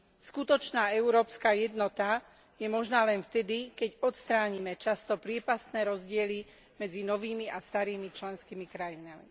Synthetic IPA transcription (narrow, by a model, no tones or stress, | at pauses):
skut̪ɔt͡ʃnaːɛʊɾɔːpskaːjɛd̪nɔt̪a | jɛmɔʒnaːlɛnft̪ɛd̪ikɛɟɔt̪st̪ɾaːɲimɛt͡ʃast̪ɔpɾɪɛpast̪nɛːɾɔzɟɪɛli | mɛd͡zinɔʋiːmiʔast̪aɾiːmit͡ʃlɛnskimikɾajinami